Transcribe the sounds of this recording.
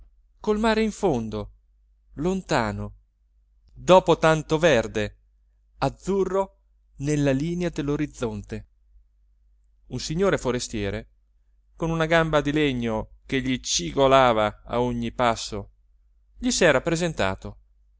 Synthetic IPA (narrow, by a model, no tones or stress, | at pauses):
kolmaːɾeiɱfond̪o | lont̪aːno | d̪ɔːpot̪ant̪ovɛrd̪e | ad̪zːurːo | nelːaliːnead̪elːoɾid̪zːɔnt̪e | unsiɲːoːɾefoɾest̪jɛːɾe | konunaɡambad̪ileɲːokeʎːit͡ʃiɡolaːvaa̰oɲːipasːo | ʎisɛːɾapɾezent̪a̰ːt̪o